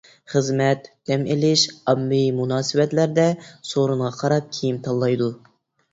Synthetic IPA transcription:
χəzmɛt̪d̪̥ɛmelɪʃɑmːɪmunɑːsɨbɛt̪læɾd̪ɛsoɾuɴʁɑqʰɑɾɑp̚kʲʰijimt̪ʰɑlˠːɑjd̪u

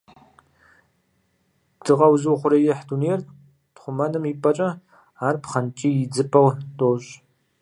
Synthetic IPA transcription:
d̥ɨʁɐwzɨwχʷʊɾɐjɪħduneːr | pχʷʊmɐnɨmiːpʼɐt͡ʃʼɐ | aːrpχɐnt͡ʃʼiːjɪd͡zɨpʼɐwdʼoːɕ

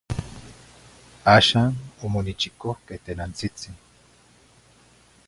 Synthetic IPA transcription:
aʃanomonit͡ʃikohket̪enant͡sit͡siŋ

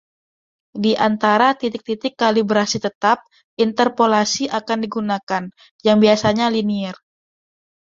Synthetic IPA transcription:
diʔant̪aɾat̪it̪ɪk̚t̪it̪ɪkːalibɾasit̪ət̪ap̚ | ʔint̪ərpolasiʔakandiɡunakan | jaŋbiasaɲaliniɛr

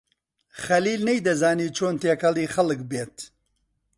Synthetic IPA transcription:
xɐliːlnɛjd̪ɐzaːniːt͡ʃʰoːnt̪eːkɐliːxɐlɨkbeːt̪

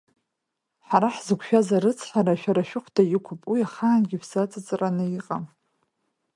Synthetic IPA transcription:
ħaɾaħzɨkʷʰʃᶣazaɾɨt͡sʰħaɾaʃᶣaɾaʃᶣʊχʷʰdʰajɪkʷʰʊpʼwiaχaːnɡʲɪfzat͡sʼat͡sʼɨranajiqʼam

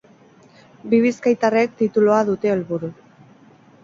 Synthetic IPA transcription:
biβiskajt̪are̞k̚t̪it̪uloaðut̪e̞ːlβuɾu

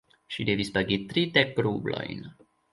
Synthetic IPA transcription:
ʃid̪evispaɡit̪ɾidekɾublo̞̰jn

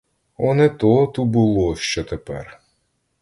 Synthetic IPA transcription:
ɔnɛt̪ɔt̪ubʊlˠɔʃt͡ʃɔt̪epɛ̰r

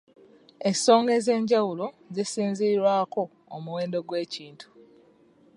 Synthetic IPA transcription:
eso̞ːŋɡe̞ze̞ːɲɟawulo̞ | zisiːnziɾwaːko̞ː | muwe̞ːndo̞ɡwe̞ːciːntʰu̥

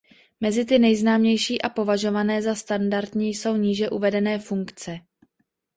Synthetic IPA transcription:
mɛzɪt̪ɪnɛjznaːmɲɛjʃiːʔapo̞vaʒo̞vanɛːzast̪andaɾt̪ɲiːjso̞wɲiːʒɛʔuvɛdɛnɛːfuŋkt͡sɛ

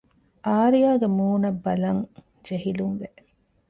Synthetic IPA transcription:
ʔaːɾijaːɡemuːnɐbːɐlɐŋ | d͡ʒeɦiluŋʋe

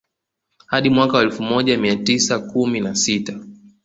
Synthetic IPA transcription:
haɗimwakawaɛlfumɔʄamiatisakuminasita

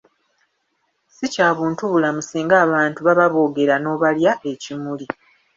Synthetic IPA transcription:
sicaːβuːntuβulamusiːŋɡaːβaːntuβaβaβo̞ːɡe̞ɾano̞βaljaʔe̞cimuli

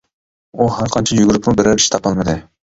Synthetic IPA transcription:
ohæɾqʰɑnt͡ʃʰɑjyɡʲyɾpnubɪɾɛɾiʃt̪ʰɑpɑlˠmɑd̪ɪ

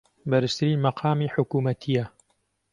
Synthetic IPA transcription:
bɐɾɨst̪ʰɨɾiːnmɐqʰɑːmiħʊkuːmɐt̪ʰijɐ

